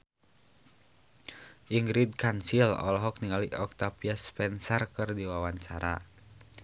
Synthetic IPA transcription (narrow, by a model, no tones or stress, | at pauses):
ʔiŋɡɾid̪̚kansilɔ̰lɔɦɔk̚niŋaliʔɔk̚t̪apiaspɛnsɛrkɨrdiwawaɲt͡ʃaɾa̰